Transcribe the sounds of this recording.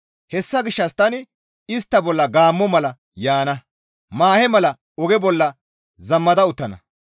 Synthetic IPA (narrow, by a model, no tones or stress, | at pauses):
hɛsːɐɡɪʃːɐst̪ɐnɪ | ɪst̪ːɐbɔlːɐɡaːmːɔmɐlɐ | jaːnɐ | maːhɛmɐlɐ | ɔɡɛbɔlːɐ | zɐmːɐd̪ɐʊt̪ːɐnɐ̰